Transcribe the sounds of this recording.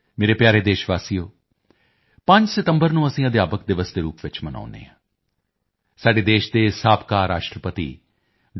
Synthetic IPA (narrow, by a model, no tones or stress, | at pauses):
meːɾeːpjaːɾeːd̪eːʃʋaːsijoː | pəɲd͡ʒsɪt̪əmbəɾnũːəsĩːəd̪jaːpək̚d̪ɪʋəsd̪eːɾuːpʋɪt͡ʃməna̰ːʊnḛːãː | saːɖeːd̪eːʃd̪eːsaːpkaːɾaːʃʈɾəpət̪ḭː